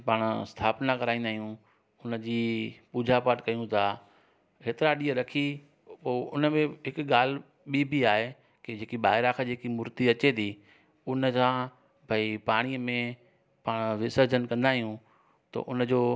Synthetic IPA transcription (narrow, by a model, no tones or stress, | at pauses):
paːɽ̃st̪ʰaːpnakɐɾaːĩnd̪aːɦijũ | ʊnə̆d͡ʑiːpuːd͡ʑʱapəʈkɐjũt̪ʰaː | keːt̪ɪɾaɗiːəɾɐkʰi | poːʊ̰nəmẽɦɪkɠaːl̤ | ɓibʱiaːɦe | ked͡ʑeːkiɓaːɦɪɾakʰãd͡ʑeːkimʊɾt̪iɐt͡ɕet̪ʰiː | ʊnəsãː | bʱəipaːɽ̃imẽ | paːɽ̃ʋɪsəɾd͡ʑənkɐ̃nd̪aːɦijũ | t̪ɐ̰ʔʊnəd͡ʑoː